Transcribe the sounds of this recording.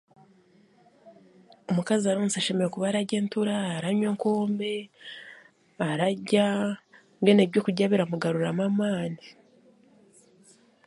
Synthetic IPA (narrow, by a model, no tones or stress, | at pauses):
omukaziaɾoːnsaʃe̞me̞ɾekuβaɾaɟe̞ːntuɾaːɾaɲweːŋkoːmbe̞ | aɾaɟa | ŋɡeneβɟo̞kuɟaβiɾamuɡaɾuɾamamaːni